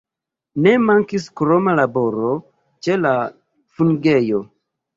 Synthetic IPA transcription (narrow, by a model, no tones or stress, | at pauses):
ne̞maŋkiskɾo̞malabo̞ɾo | t͡ʃe̞la | funɡe̞jo̞